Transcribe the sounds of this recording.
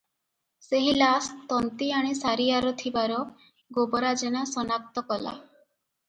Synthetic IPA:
seɦilast̪ɔnt̪iaɽ̃isaɾiaɾɔt̪ʰibaɾɔ | ɡobɔɾad͡ʒeñasɔnak̚t̪ɔkɔla̰

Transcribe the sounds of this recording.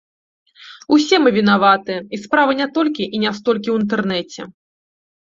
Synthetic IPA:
usʲɛmɨvʲinavat̪ɨjɛispɾavɨnʲɛt̪ɔlʲkʲiʔinʲɛst̪ɔlʲkʲiwint̪̬ɛrnɛt͡sʲɛ̰

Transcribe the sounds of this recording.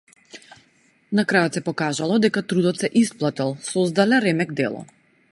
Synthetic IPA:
nakɾajɔt̪sɛpɔkaʒalˠɔd̪ɛkat̪ɾud̪ɔt̪sɛʔisplˠat̪ɛlˠsɔzd̪alɛɾɛmɛɡd̪ɛ̰lˠɔ̰

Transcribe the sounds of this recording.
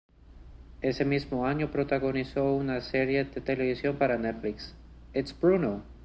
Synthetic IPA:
e̞se̞mizmoaɲo̞pɾo̞t̪aɣo̞niso̞unaseɾje̞ðet̪e̞le̞βisjo̞mpaɾanet̪fliks | et̪sb̥ɾuno

